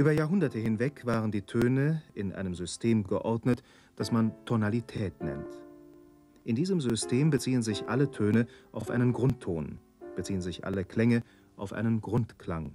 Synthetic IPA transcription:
ʔyːbɐjaːɐɦʊndɐtəɦɪnvɛkv̥aːʁəndiːtʰøːnəʔɪnʔa̰ɪnəmzʏstʰeːmɡəʔɔɐdnət | d̥asmantʰonalitʰɛːtnɛ̰nt | ʔɪndiːzəmzʏstʰeːmbət͡siːənzɪçʔalətʰøːnəʔaʊfʔa̰ɪnənɡʁʊntʰːoːn | b̥ət͡siːənzɪçʔa̰ləkl̥ɛŋə | ʔaʊfʔa̰ɪnənɡʁʊntkl̥aŋ

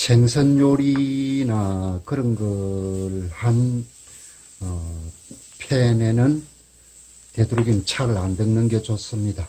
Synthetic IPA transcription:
ɕʰeŋsʰʌnjoɾinakɯɾʌnɡʌɭhan | ʌ | pʰjene̞nɯn | te̞duɾuɡint͡ɕʰaɡɯɾandɯŋnɯnɡe̞t͡ɕos͈ɯmɲida

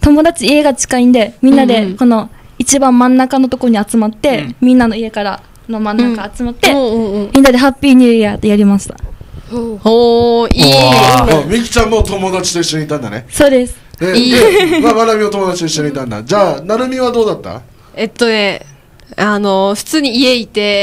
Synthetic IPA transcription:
t̪o̞mo̞d̪at͡ɕieɡat͡ɕi̥kaĩnd̪e̞mʲĩnːad̪e̞ko̞no̞ | it͡ɕibãmːãnːakano̞t̪o̞kooɲ̟iat͡sɨmat̪ːe̞mʲĩnːano̞ie̞kaɾa | no̞mãnːakaːt͡sɨmat̪ːe̞mʲĩnːad̪e̞ɦapʲːiːɲ̟ɯat̪ːojaɾʲimaɕi̥t̪ḁ̰ | o | omʲiki̥t͡ɕãmːot̪o̞mo̞d̪at͡ɕi̥t̪o̞iɕːo̞ɲiːt̪ːãnd̪a̰nḛso̞ːd̪e̞sɨ̥ned̪emamanamʲinot̪omo̞d̪at͡ɕi̥t̪o̞iɕːo̞ɲiːt̪ːãnd̪a̰d͡ʑaːnaɾɯ̟mʲiβad̪o̞ːd̪at̪ːa̰ | et̪ːone̞ | ano̞ɸɯ̟̥t͡sɨːɲ̟iie̞it̪e̞

